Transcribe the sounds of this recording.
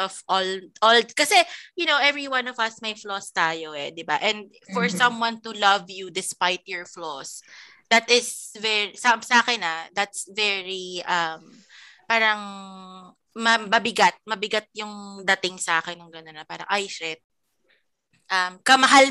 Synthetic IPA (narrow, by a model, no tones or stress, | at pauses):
ɔvʔɔlʔɔlkɐsɛjʊnowʔɛvɹiwãnɔvɐsmɐjflɔst̪aːjoɛd̪ɪbaʔɛ̃nd̪̚ | fɔɹsɐ̃mwɐnt̪ulɐvjud̪ɪspajt̪̚jɔɹflɔs | d̪̥ɐt̪ɪsvɛɹisamsɐʔaːkɛnɐd̪ɐt̪svɛɹiʔɐm | paːɾɐŋ | mɐbɐbɪɡat̪̚mɐbɪɡat̪̚jʊŋd̪ɐt̪ɪŋsɐʔaːkɛnːʊŋɡɐnonːɐpaːɾɐ̰ŋʔajsɛt̪̚ | ʔɐmkɐmɐɦal